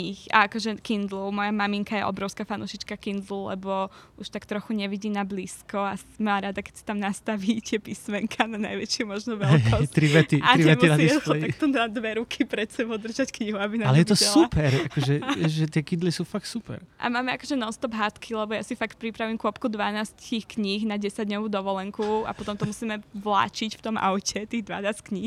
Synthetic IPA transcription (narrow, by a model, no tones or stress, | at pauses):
ixa̰akɔʒɛkind̪lɔmɔjamamiŋkajɛ̰ʔɔ̰bɾɔʊskafanṵːʃit͡ʃkakind̪lulɛ̰bɔʔuʃt̪akt̪ɾɔxuɲɛʋiɟiːnabliːskɔasmaːɾad̪akɛcsi̥t̪amnast̪aʋit̪ɪɛpismɛŋkʰanana̰jʋɛt͡ʃɪɛmɔʒnɔʋɛɔtt̪ɾiʋɛt̪iaɾiɛmiɾad̪ilakt̪ɔnad̪ʋɛɾukʰipɾɛt̪sɛbɔʊd̪r̩ʒackɲiɦuabinaalɛjɛt̪ɔsɛupʰɛɾakɔʒɛɛʒɛt̪ɪɛkid̪lisuːfak̚t̪supɛ̰ɾʔa̰maːmɛakɔʒɛnɔst̪ɔbɦat̪kʰilɛbɔjasifakt̪̚pɾipɾaʋimkʊɔpkud̪ʋanaːsct̪ixkɲixnaɟɛsaɟdɲɔʋuːd̪ɔʋɔlɛŋkua̰pɔt̪ɔmt̪ɔmusiːmɛʋla̰ːt͡ʃicft̪ɔmʔa̰wcɛt̪iːɣd̪ʋa̰naːsckɲix